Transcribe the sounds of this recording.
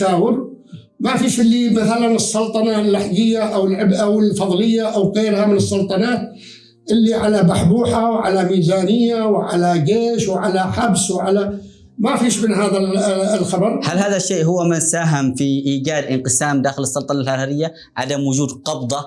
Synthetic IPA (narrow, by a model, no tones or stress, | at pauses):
aːwɪɾ | mafiːʃɪlːimaθalanɨsˤːʊlt̪ˤɑnɑlːaħɡɪjːaʔawɪlʕɪbʔawɪlfɑðˤlɪjːaʔawɣeːɾhamɪnɨsˤːʊlt̪ˤɑnaːt̪̚ | ʔɪlːiʕalabaħbuːħawʕa̰lamiːzaːnɪjːawʕalaɡeːʃwʕalaħabswʕala | mafiːʃmɪnɦaːðalxɑbɑɾˤhalhaːðaʃːeːʔɦʊwːamɪnsaːɦɪmfiʔiːd͡ʒaːd̪ʔɪnqɨsaːmd̪aːxɪlɨsˤːɑlt̪ˤɑnɑlhaɾaɾɪjːa | ʕa̰d̪amwʊd͡ʒuːd̪qɑbd̪ˤɑ